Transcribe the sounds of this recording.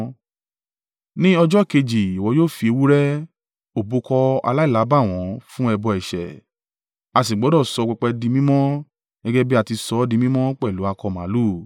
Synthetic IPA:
nĩ˦ɔ˧d͡ʒɔ˦ke˧d͡ʒi˨i˨wɔ˨˧˦joː˦˨fi˧e˧wu˦ɾɛ˦ | o˨bu˨˦kɔ˧a̰˧la˦i˦˨la˨˦ba˦˨w̃ɔ̃˨˦fũ˦ɛ˧bɔ˧ɛ˨ʃɛ̰˨ | a˧s̬i˨ɡ͡bɔ˨˦dɔ˦˨sɔ˧k͡pɛ˧k͡pɛ˧dĩ˧mĩ˦mɔ̃˦ | ɡɛ˦ɡɛ˦bi˦a˧˨ti˧sɔ˧˦dĩ˧mĩ˦mɔ̃˦k͡pɛ˦˨lu˨˦a˧kɔ˧˨mã˨˦lu˦˨

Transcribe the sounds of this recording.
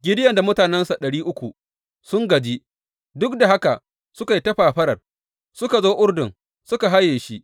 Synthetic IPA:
ɡʲɪ˦dɪ˦jɐ˨nda˨mʊ˦taː˨nɛ˦nsa˨ɗɐ˨ɽiː˦ʔʊ˦kʷu˨ | sʊ˦ŋɡɐ˨d͡ʒiː˦ | dʊ˦k̚da˨ɦa˦ka˨ʔ | sʊ˦ka˨ji˦tɐ˦ɸaː˨ɸɐ˦ɽɐ˨r | sʊ˦ka˨zoː˦ʔʊ˦rdʊ˨ŋ | sʊ˦ka˨ɦa˦jːeː˨ʃi˦ʔ

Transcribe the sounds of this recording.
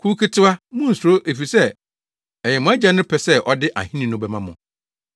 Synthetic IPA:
kʰu˦kʰɪ˦tʰɪ˦a˦mũ˦˨su˨ɾo˦ʔe˨fi˨sɛ˦ | ɛ˨jɛ˨mʊ̃˨˦æ˦d͡ʑa˦nʊ̃˦pʰɛ˨sɛ˦ʔɔ˦dɪ˦ʔa̰˨hĩ˦nĩ˨nʊ̃˦bɛ˨mã˦mʊ̃˨

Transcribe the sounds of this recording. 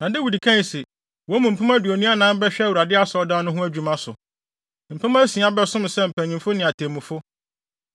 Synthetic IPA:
nã˨dɪ˦wu˨di˨kʰã˦n˨si˨ | wɔ˨˦mũ˨m̩˨pʰa˦mã˦du˨o˨nũ˦a˦nãː˦m̩˦bɛ˦ɕᶣɛ˦˨wu˨ɾa˨dɪ˦a˦sɔ˨˦dã˦nʊ̃˦ɦʊ̃˦æ˦d͡ʑᶣu˨mã˦sʊ̰˨ | m̩˨pʰɛ˦mã˦sĩ˨˦a˦bɛ˦sʊ̃˦m˨sɛ˦m̩˨pʰæ̃˨ɲĩ˨fʊ˦nɪ̃˨a˨tʰẽ˨mũ˨fʊ˦

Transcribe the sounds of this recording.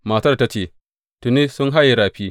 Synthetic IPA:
ma˨tɐ˦rta˦t͡ʃeː˨ | tʊ˨ni˦sʊ˦ŋɦa˦ji˨ɽaː˨ɸiː˦

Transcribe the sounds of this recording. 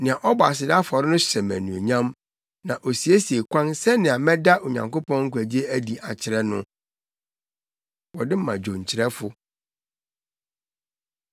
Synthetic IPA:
nɪ̃˨ã˨ʔɔ˦ba̰˨sɪ˨da˦fɔ˨ɾɪ˦nʊ̃˦ɕɛ˨mæ̰̃˨nũ˨ḛ˨ɲã˦m | nã˨ʔo˨si˨e˦si˨e˨kʷʰã˦nsɛ˦nɪ̃˨a˨mɛ̃˦da˦o˨ɲã̰˨ŋko˦pɔ̃˦ŋŋ̩˦kʷæ˨d͡ʑi˦e˦æ˦di˨a˨t͡ɕʰɪ˨ɾɛ˦nʊ̃˦ | wɔ˨dɪ˦m̩˦mã˨d͡ʑᶣõ˨ɲ̩˨t͡ɕʰɪ˨ɾɛ˦fʊ˦

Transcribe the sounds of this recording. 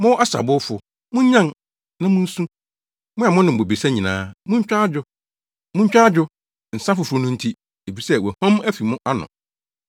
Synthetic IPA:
mʊ̃˦ʔa˦sa̰˨bʊ˦fʊ˨ | mʊ̃˦ɲã˦n | nã˦mʊ̃˦n̩˦sũ˦ | mʊ̃˦a˨mʊ̃˦nɪ̃˨m̩˨bo˨bi˨sa˦ɲĩ˨nã̰ː˦mʊ̃˦ɲ̩˦t͡ɕᶣa˦a˦d͡ʑʊ˦ | mʊ̃˦ɲ̩˦t͡ɕᶣa˦d͡ʑᶣʊ˦ | n̩˨sã˦fʊ˨fɾʊ˦nʊ̃˦n̩˦tʰi˦ | e˨fi˨sɛ˦˨wɛ˨hɔ̃˦mæ˦fi˨mʊ̃˦ʔa˦nʊ̰̃˨

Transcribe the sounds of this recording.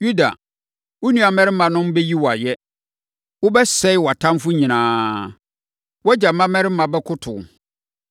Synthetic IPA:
ju˦da̰˨ | wʊ˦nũ˦a˨mɛ̃˦ɾɪ˦mã˨nʊ̃˦m˦bɛ˦ji˦wɔ˨a˨jɛ˦ | wʊ˦bɛ˦sɛ˦ɪ˦wɔ˨a˨tʰã˦mfʊ˦ɲĩ˨nãː˦ | wɔ˦d͡ʑa˨mã˦mɛ̃˦ɾɪ˦mã˨bɛ˦kʰʊ˦tʰʊ̰˨

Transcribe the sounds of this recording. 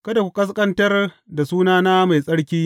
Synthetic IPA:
kɐ˦da˨kʷu˨kʼɐ˦s̬kʼɐ˦ntɐ˦r | da˨suː˦naː˦na˦ma˨jsʼɐ˦ɽkʲiː˦

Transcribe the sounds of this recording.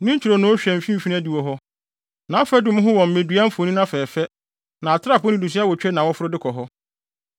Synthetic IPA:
nɪ̃˦ɲ̩˦t͡ɕʰᶣi˨ɾo˨nʊ̃˦ɕᶣɛ̃˨m̩˨fĩ˦m̩˨fĩ˦æ˦di˨wɔ˨ɦɔ˦ | nã˨˦fɛ˦dʊ̃˦m̃˦ɦʊ̃˦wɔ̃˨m̩˨ẽ˨dɥa˦m̩˦fnĩ˦nã˦fɛː˨fɛ˦ | nã˨a˨tʰɪ˦ɾa˦˨pʰʊ˦nɪ̃˦du˨s̬i˦a˦wɔ˨t͡ɕᶣɛ˦nã˨wɔ˦fʊ˦ɾʊ˦dɪ˦kʰɔ˨ɦɔ˦

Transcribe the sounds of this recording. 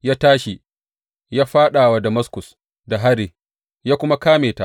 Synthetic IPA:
jaː˦taː˦ʃi˨ | jaː˦ɸaː˦ɗaː˨wa˨dɐ˨mɐ˦skʊ˨s | da˨ɦa˦ɾi˨ | jaː˦kʷʊ˦ma˦kaː˦meː˨ta˦˨ʔ

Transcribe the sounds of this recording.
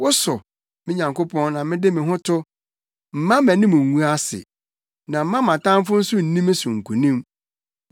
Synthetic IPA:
wʊ˦sʊ˨ | mɪ̃˦ɲã˨ŋko˦pʰɔ̃˦nnã˨mɪ̃˦dɪ˦mɪ̃˨ɦʊ̃˦tʰʊ˦ | m̩˨mã˦mæ̃˨nɪ̃˦mʊ̃˨ŋ̩ː˨u˦a˦sɪ̰˨ | nã˨m̩˦mã˦mã˨tã˦m˦fʊ˦n̩˦sʊ˦n̩˨nĩ˦mɪ̃˦sʊ̃˨ŋ̩˨kʰu˨nĩ˦m

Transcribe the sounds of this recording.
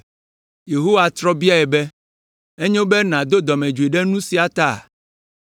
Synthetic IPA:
je˨ɦo˦wa˨t̪ɾɔ˦bi˦a˦ɛ˨bɛ˦ | e˦ɲẽ˦wo˦bɛ˦nã˨d̪o˦d̪ɔ˨mẽ˨d͡ʒu˨e˨ɖɛ˦nũ˦si˨˦a˨t̪a̰˦˨

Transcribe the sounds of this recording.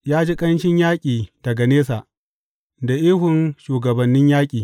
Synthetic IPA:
jaː˦d͡ʒi˦kʼɐ˦nʃɪ˦ɲjaː˦kʲʼiː˨d̥ɐ˨ɡa˨neː˦sa˨ʔ | da˨ʔiː˦hʊ˨nʃuː˨ɡɐ˨bɐ˨nːɪ˦ɲjaː˦kʲʼiː˨

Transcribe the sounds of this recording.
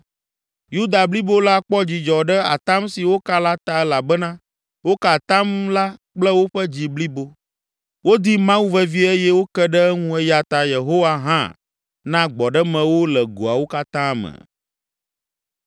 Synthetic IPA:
ju˦d̪a˨bli˦bo˦la˦k͡pɔ˦d͡ʑi˨d͡ʒɔ˨ɖɛ˦a˨t̪ã˦msi˨wo˦ka˦la˦t̪a˦ɛ˦la˨bɛ˦nã˦ | wo˦ka˨t̪ã˦mla˦k͡plɛ˦wo˦ɸɛ˦d͡ʑi˨bli˦bo˦ | wo˦d̪i˦mã˦wu˦vɛ˦vi˦ɛ˦jɛ˦wo˦kɛ˦ɖɛ˦ɛ˦ŋũ˦ɛ˦ja˨t̪a˨je˨ɦo˦wa˦ɦã̰˦ | nã˦ɡ͡bɔ˨ɖɛ˦mɛ̃˨wo˦lɛ˨ɡo˨a˨wo˦ka˦t̪ã˦˨mɛ̰˨

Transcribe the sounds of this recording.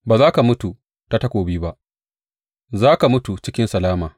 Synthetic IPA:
baː˨zaː˦ka˨mʊ˦tu˨ | ta˦tɐ˦kʷoː˨biː˦ba˦ʔ | zaː˦ka˨mʊ˦tu˨t͡ʃɪ˦kʲɪ˦nsɐ˨laː˦maː˨

